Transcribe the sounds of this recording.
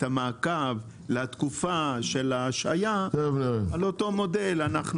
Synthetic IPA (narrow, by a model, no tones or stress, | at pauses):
tamaːkav | leat̪kufaʃe̞laːʃa̰jatovnoalo̞to̞mo̞delanaχn